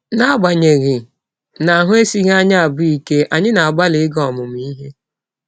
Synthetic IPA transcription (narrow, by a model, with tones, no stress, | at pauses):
na˦ɡ͡ba˨ɲe˨ɣɪ˨ | na˨a˨ɦʊ˦e˦si˦ɣa˦ɲa˦a˨bʊ˦i˦ke˦ʔa˨ɲɪ˦na˨a˨ɡ͡ba˦lɪ˨ɪ˦ɡɔ˦˨mʊ˨m˦i˦ɦe˦